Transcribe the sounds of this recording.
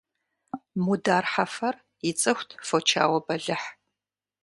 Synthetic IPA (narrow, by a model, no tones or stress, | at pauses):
mudaːrħafɐr | jɪt͡sʼɨxʷtʰfot͡ʃʰa̰ːwɐbɐɮɨħ